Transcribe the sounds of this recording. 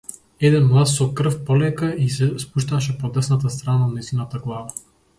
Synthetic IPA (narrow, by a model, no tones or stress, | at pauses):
ɛd̪ɛnmlˠat̪sɔkr̩fpɔlɛkaisɛspuʃt̪aʃ̬ɛpɔd̪ɛsnat̪ast̪ɾananaist̪inat̪aɡlˠava